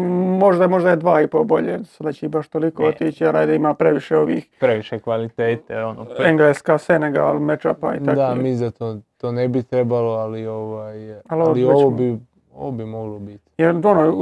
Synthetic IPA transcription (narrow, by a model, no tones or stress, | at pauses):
mo̞ʒd̪amo̞ʒd̪ajed̪ʋaːipobo̞ʎeːsad̪at͡ɕeibaʃt̪o̞likoːot̪iːt͡ʃiaɾajd̪aimaːpɾe̞ʋiʃeo̞ʋḭːxpɾeʋiʃekʋalit̪eːt̪eonoeŋɡleːskaːseneɡa̰lmet͡ʃapa̰ḭt̪akd̪amizat̪ot̪oːnebit̪ɾebaloalioʋajalolioʋobi | o̰ʋobimoɡlobit̪jeɾonoː